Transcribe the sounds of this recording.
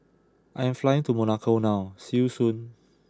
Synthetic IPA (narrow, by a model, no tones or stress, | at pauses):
ʔãjɛ̃mflajĩŋtumɔnakʰonawsiusũn